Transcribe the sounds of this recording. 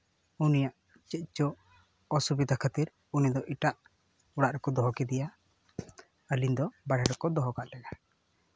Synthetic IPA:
unijaʔ | t͡ʃɛc̪̚ˀt͡ʃɔ | ɔsubid̪ʱakʰət̪iɾ | unid̪ɔʔiʈaʔ | uɽaʔɾɛkɔd̪ɔɦɔkɛd̪ɛja | əlind̪ɔbaɽɛɾɛkɔd̪ɔɦɔkaʔlɛɡa

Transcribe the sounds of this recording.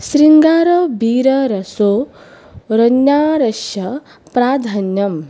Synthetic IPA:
sɾiŋɡaːɾobiːɾɐɾɐsoː | ɾɐnjaːɾɐʃjɐ | pɾaːd̪ʱanjɐm

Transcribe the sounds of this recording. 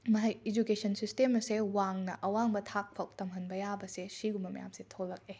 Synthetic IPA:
mɐɦɐjed͡ʒukesʰɐnsistemɐsewaŋnɐʔɐwaŋbɐtʰak̚pʰɐk̚tɐmɦɐnbɐjabɐsesiɡumbɐmɐja̰msetʰolːɐk̚e

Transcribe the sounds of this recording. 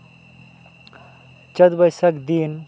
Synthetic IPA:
t͡ʃɐd̪bəjsɐkd̪in

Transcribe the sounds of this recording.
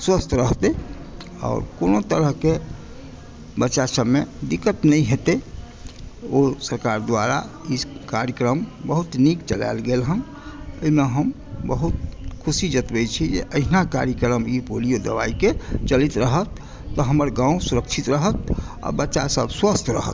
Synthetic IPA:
swəst̪ʰɾəɦt̪e | ɔ̰ːɾkonot̪əɾəɦke | bətːʃasəbmed̪ikət̪nəĩɦet̪e | osəɾkaɾd̪waɾa̰ikaɾjəkɾəmbəɦut̪nikt͡ʃəla̰lɡelɦəm | əimeɦəm | bəɦut̪̚kʰusid͡ʒət̪bɛt͡ʃʰid͡ʒḛʔəɦnaka̰ɾjəkɾəmipolijod̪əʋa̰iket͡ʃəlit̪ɾəɦət̪ː | ɔɦəməɾɡãũsuɾəkt͡ʃʰit̪ɾəɦət̪̚ | ɔ̰ɾbətːʃasəbswəst̪ʰɾə̰ɦə̰t̪

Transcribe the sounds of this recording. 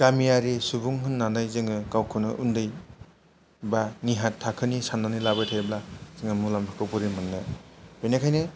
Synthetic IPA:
kamijaɾisubuŋɦɯnːanajzɯŋɯkawkʰɯnɯʔundɯj | baniɦatʰːakʰɯnisanːanɯlabɯtʰajblaz̥eŋɯmulampʰakʰɔwpɔɾimanːɯbɯjnakʰajnɯ

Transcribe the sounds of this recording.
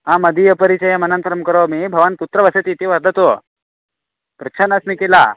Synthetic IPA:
ɦãmɐd̪ʱijɐpɐɾit͡ʃɐjamɐnənt̪ɾɐmkɐɾomiːbʱɐʋanput̪ɾɐʋɐset̪iːt̪iʋɐɾd̪ʱɐt̪o | pɾɪkt͡ʃʰanasmikela

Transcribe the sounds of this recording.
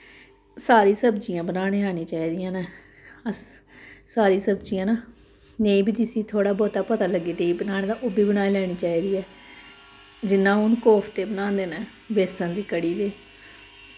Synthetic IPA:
saːɾiːsəbd͡ʒɪjãːbənaːɽ̃eːaːniːt͡ʃaːiːd̪ijãːneː | əs | saːɾiːsəbd͡ʒɪjãːnaː | neĩːbiːd͡ʒɪsiːt̪ʰoːɽaːbɔːt̪aːpət̪aːləɡːeːneːiːbənaːɽẽːd̪ãːʔobiːbənaːiːlɛːɽ̃iːt͡ʃaːiːd̪iːɛː | d͡ʒɪnːãːʊnkɔːpʰt̪eːbənãːnd̪eːnɛ̃ː | beːsãːd̪iːkəɽiːd̪eː

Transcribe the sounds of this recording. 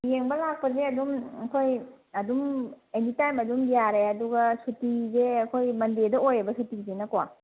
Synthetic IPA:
jeŋbɐlak̚pɐzeɐdumkʰoj | ɐdumenitajmɐdumbijaɾeɐduɡɐsutizeɐkʰojmɐndedɐojebɐsutizenɐkwa

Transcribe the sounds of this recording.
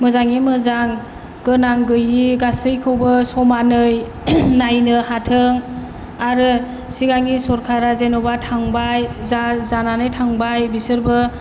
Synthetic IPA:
mɯzaŋimɯzaŋ | ɡ̥ɯnaŋɡɯjiɡasɯjkʰɯwbɯsɔmanɯj | najnɯhatʰɯŋ | aɾɯ | siɡaŋisɔɾkʰaɾazenɔbatʰaŋbajzazananɯjtʰaŋbajbisɯɾbɯ

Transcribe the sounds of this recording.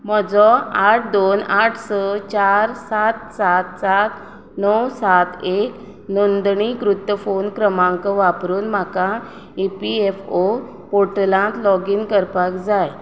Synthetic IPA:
m̤ɔd͡zɔaʈʰd̪onaʈʰsət͡ɕaɾsat̪sat̪sat̪ | nəwsat̪ʰek | nond̪ɳikɾut̪ːəfonkɾəmãŋkəʋapɾuːnm̤aka | ipiefo | poʈəlãt̪lɔɡiːnkəɾpakd͡zaj

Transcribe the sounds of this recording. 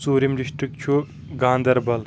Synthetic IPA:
t͡suːɾimɾiʃʈɨk̚t͡ʃʰu | ɡaːnd̪ɐɾbɐl

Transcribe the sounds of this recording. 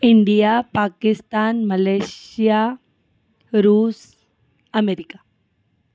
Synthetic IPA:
ɪɳɖijapaːkɪst̪aːnmɐlesija | ɾuːs | ɐmeɾika

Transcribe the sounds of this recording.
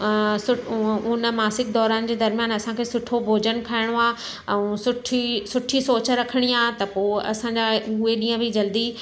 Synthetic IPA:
sʊʊnəmaːsɪk̚d̪ɔːɾaːnɪ̆d͡ʑeːd̪ɐɾmijaːnɐsãkʰeːsʊʈʰobʱoːd͡ʑənkʰaːɪɽ̃oaː | ɛ̃ũsʊʈʰisʊʈʰisoːt͡ɕɾɐkʰəɽ̃iaːɦt̪ɐpoːɐ̰sãd͡ʑaʊɦeɗiːə̃bʱɪd͡ʑɐld̪i

